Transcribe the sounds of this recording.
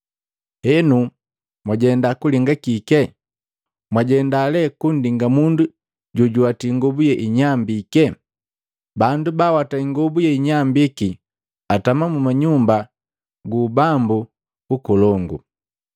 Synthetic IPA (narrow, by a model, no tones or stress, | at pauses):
hɛnu | mwaɟɛndakuliŋɡakikɛ | mwaɟɛndalɛkun̩diŋɡamundu | ɟɔɟuatiŋɡɔbujɛʔiɲambikɛ | bandubawataiŋɡɔbujɛiɲambiki | atamamumaɲumba | ɡuːbambu | ukɔlɔŋɡṵ